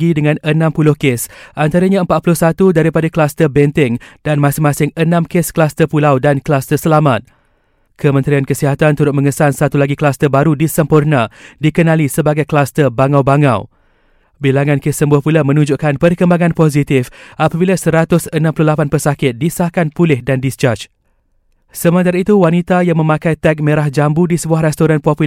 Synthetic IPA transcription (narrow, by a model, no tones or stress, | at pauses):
ɡidəŋãnənãmpulʊhkesʔant̪aɾaɲãəmpat̪̚pulʊhsat̪udaɾipadaklast̪ərbɛnt̪ɪŋdanmãsɪŋmãsɪŋənãmkesklast̪əpulawdanklast̪əsəlamat̪̚ | kəmə̃nt̪ɾiankəsiɦat̪ant̪uɾʊt̪̚mə̃ŋəsansat̪ulaɡiklast̪əbaɾudisəmpurnãdikənãlisəbaɡajklast̪ərbaŋawbaŋa̰w | bilaŋãnkɪsːəmbuahpulamə̃nũɲd͡ʒuʔkanpərkəmbaŋãnpoz̬it̪ɪfʔapabilasəɾat̪ʊsənãmpululapanpərsakɪt̪̚disahkanpulɪhdandist͡ʃat͡ʃ | səmə̃nt̪aɾait̪uwanit̪ajaŋmə̃mãkajt̪ɛk̚mẽɾahd͡ʒambudisəbuahɾɛst̪oɾanpapu